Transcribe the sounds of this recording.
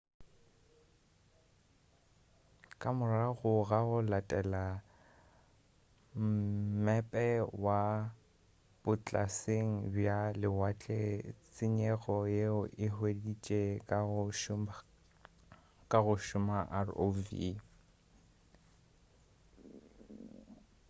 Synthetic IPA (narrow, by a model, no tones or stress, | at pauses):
kʼamʊraɣʊɣaɣʊlatʼɛla | m̩mɛpʼɛwa | b̥ʊt͡ɬʼaseŋ̩bjalɪwat͡ɬʼet͡sʼɪɲɛɣɔjeʊʔɪhwedit͡ʃʼeʃ | kʼaɣʊʃʊmaʔaro̰vḭ